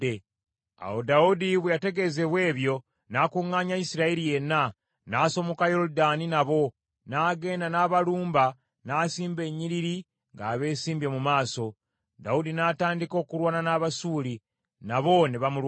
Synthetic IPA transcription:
e | a̰wodaudiβwejate̞ɡe̞ze̞βwe̞ːβjo̞ | naːkuŋaːɲaisiɾaeɾije̞na | naːso̞mo̞kajo̞ɾudaninaβo̞ | naːɡe̞ːndanaːβaluːmba | naːsiːmbe̞ɲiɾiɾi | ŋɡaːβe̞ːsiːmbjemumaːso̞ | da̰udinaːtaːndiko̞ːkuɾwaːnanaːβasuːɾi | naβo̞niβamulw

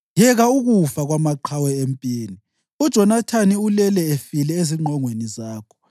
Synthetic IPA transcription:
jɛɣauɣufaɣwamaǃʰawɛempʼiːni | ud̥ʒ̥ʱɔnatʰaniulɛlɛefilɛeziŋ͡ǃʱɔŋwenizaːkʰɔ̥

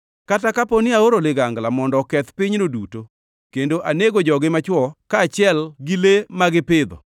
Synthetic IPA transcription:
katakaponɪaoɾolɪɡaŋɡlamɔndɔkɛt̪pɪɲnoduto | kendoʔaneɡod͡ʒɔɡɪmat͡ʃwɔkaːt͡ʃɪɛlɡilemaɡɪpɪd̪ɔ̰

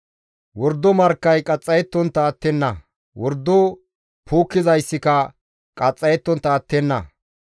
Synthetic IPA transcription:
wɔɾd̪ːɔmɐɾkːɐjkʼɐt͡sʼːɐjɛt̪ːɔnt̪ːɐːt̪ːɛnːɐ | wɔɾd̪ːɔ | pʰuːkːɪzɐjsːɪkɐ | kʼɐt͡sʼːɐjɛt̪ːɔnt̪ːɐːt̪ːɛnːɐ̰

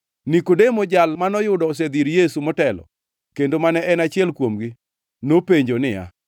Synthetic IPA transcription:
nikodemɔd͡ʒalmanɔjʊdɔs̬ed̪iɾjesumɔtɛlɔ̰ | kendomanɛʔɛnat͡ʃɪɛlkwomɡi | nopeɲd͡ʒonɪja̰

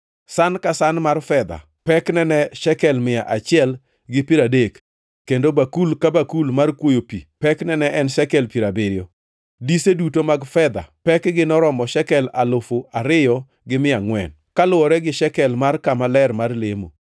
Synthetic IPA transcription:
sankasanmarfɛd̪a̰ | pɛknɛnɛʃɛkɛlmɪaʔat͡ʃɪɛl | ɡɪpiɾadekː | endobakulkabakulmarkwojopḭpɛknɛnɛʔɛnʃɛkɛlpiɾabɪɾjɔ | disedutomaɡfɛd̪a̰pɛkɡɪnɔɾɔmɔʃɛkɛlalofoaɾɪjɔ | ɡɪmɪjaŋwɛ̰n | kalʊɔɾɛɡɪʃɛkɛlmarkamalɛrmarlemo̰

